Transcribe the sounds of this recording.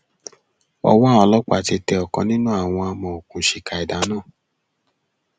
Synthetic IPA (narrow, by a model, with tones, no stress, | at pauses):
ɔ̰˧wɔ˦˨ɔ˧lɔ˦k͡pa̰˨ti˧tɛ˧ɔ˨kɔ̰̃˨˧˦nĩ˦nũ˦a˦˨w̃ɔ̃˧a˧mɔ̃˧˨o˨kũ˨ʃi˨ka˨i˨da˨˦nãː˦˨